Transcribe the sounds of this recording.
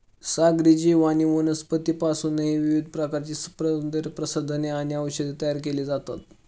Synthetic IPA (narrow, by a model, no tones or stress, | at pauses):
saɡɾid͡ʑiːʋaɽ̃iʋonəspət̪iːpasuːnːəɦiʋiʋid̪ʱpɾəkaɾt͡ɕiːspɾəd̪əɾpɾəsəd̪ʱəneaɽ̃iaʋəɕəd̪et̪əjaɾkeliːd͡zat̪at̪